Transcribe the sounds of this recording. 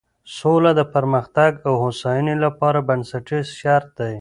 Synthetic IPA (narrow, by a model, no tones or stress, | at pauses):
solad̪əpaɾməxt̪aɡawhosɑjənelapɑɾabansaʈisʃaɾt̪̚d̪aj